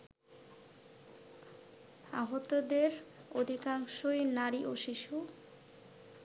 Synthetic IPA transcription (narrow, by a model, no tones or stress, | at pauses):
aɦot̪od̪eɾod̪ʱikaŋʃojnaɾiʔoʃiʃu